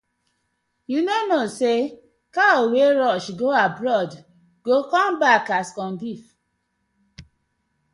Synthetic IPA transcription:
junonose | kaoweɹɔʃɡoabɹɔd | ɡ̥okɔ̃mbakaskɔ̃ndif

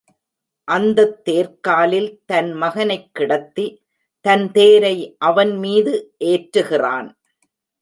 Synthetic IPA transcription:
ʔɐnd̪ɐt̪ːeːɾkaːlɪlt̪ɐnmɐɣɐnɐɪkːɪɽɐt̪ːi | t̪ɐnt̪eːɾɐɪʔɐʋɐnmiːðɯʔeːʈɾɯɣɪra̰ːn

